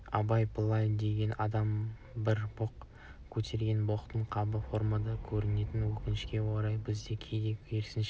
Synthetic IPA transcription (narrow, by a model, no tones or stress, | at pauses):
ɑ̰bɑjbʰəlˠɑjd̪e̞ɡʲe̞nʔɑd̪ɑm | bɪɾboq | kʲʰɵt̪ʰe̞ɾɡʲe̞nboqt̪əɴqʰɑbəfo̞ɾmad̪ɑkʲʰɵɾɪne̞t̪ɪnwɵkʲɪnɪʃkʲe̞woɾɑjbɪzd̪e̞kʲʰe̞jd̪e̞kʰʲeɾsɪnʃ